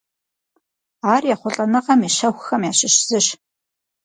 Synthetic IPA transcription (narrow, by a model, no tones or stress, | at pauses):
aːrjaːχʷʊɬʼɐnɐqɐmiʃɐxʷxɐmjaːɕɪɕz̥ɨɕ